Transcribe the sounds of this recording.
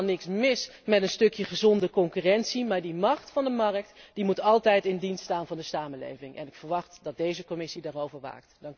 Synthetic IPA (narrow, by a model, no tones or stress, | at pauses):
nɪksmɪsmɛtənstɵkjəχəzɔndəkɔŋkyrɛntsimaːɹdimɑχtfɑndəmɑrək̚td̥imutɑlˠtɛjtɪndinsttaːnvɑndəsaːməlḛjvɪŋʔɛ̰nɪkfəɹʋɑχtdɑt̚dejzəkɔmɪsidaːrowvəɹʋa̰ːktdɑŋ